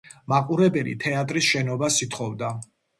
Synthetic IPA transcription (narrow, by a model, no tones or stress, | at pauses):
maqʼuɾɛbɛlḭt̪ʰɛat̪ʼɾisʃɛnɔbasit̪ʰχɔvd̪a